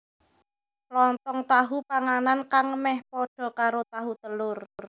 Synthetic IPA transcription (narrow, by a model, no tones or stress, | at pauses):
lɔnt̪ɔŋt̪aɦupaŋanankaŋəmɛhpɔɖ̥ɔ̤kaɾot̪aɦut̪əlʊrr